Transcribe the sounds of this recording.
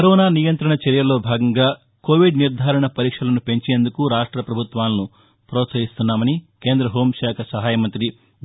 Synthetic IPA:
kɐɾɔːnaːnijɐnt̪ɾɐɳɐt͡ʃɐɾjɐlo̞ːbʱaːɡɐŋɡaː | koːʋiɖniɾd̪ʱaːɾɐɳɐpɐɾiːkʂɐlɐnupe̞ɲt͡ʃe̞ːnd̪ukuɾaːʂʈɾɐpɾɐbʱut̪ʋaːlɐnu | pɾɔːt̪sɐɦist̪unːaːmɐnike̞ːnd̪ɾɐɦoːmʃaːkʰɐsɐɦaːjɐmɐnt̪ɾi

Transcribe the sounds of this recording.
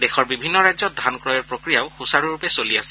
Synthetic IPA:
dexɔɹbibʱinːɔɹajzɔdʱankɹɔjɛɹpɹokɹijaʊxusaɹuɹupɛsoliasɛ̥

